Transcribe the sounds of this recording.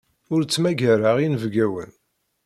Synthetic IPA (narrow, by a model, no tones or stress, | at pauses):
ʊɾt͡sːmæɡæɾaʁinvɡæwə̰n